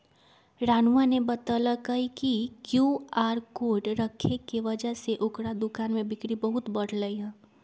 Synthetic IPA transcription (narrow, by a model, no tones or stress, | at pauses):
ɾaːnanebɐt̪alakəɦikikjuːaːɾkoːɖɾəkʰːekiʋɐd͡ʒəɦseʔʊkɽad̪ʊkaːnmẽbɪkɽibɐɦʊt̪bɐɽ̤ləiɦɛ̃ː